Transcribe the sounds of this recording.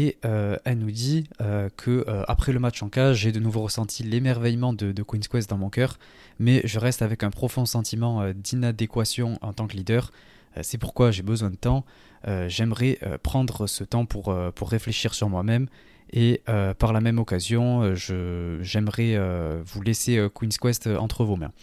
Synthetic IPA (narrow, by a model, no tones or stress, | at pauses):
eøɛlnud̪iøkʰəøa̰pχɛləmat͡ʃɑ̃kaʒed̪ənuvoʁəsɑ̃t̪ʰilemɛʁvɛjmɑ̃d̪əd̪əkwinskwɛs̬d̪ɑ̃mɔ̃kœʁ | mɛʒəʁɛst̪avɛkɛ̃pχɔfɔ̃sɑ̃t̪imɑ̃ød̪inad̪ekwasjɔ̃ɑ̃t̪ɑ̃kəlid̪œʁ̰ | sɛpuʁkwaʒebəzwɛ̃d̪ət̪ɑ̃ | øʒɛmʁɛʔø̰pχɑ̃d̪ʁəsət̪ɑ̃pʰuʁøpuʁːefleʃiʁsyʁmwamɛm | eøpaʁlamɛmɔkazjɔ̃øʒəʒɛmʁɛøvuleseøkwinskwɛst̪øʔɑ̃t̪χəvomɛ̰̃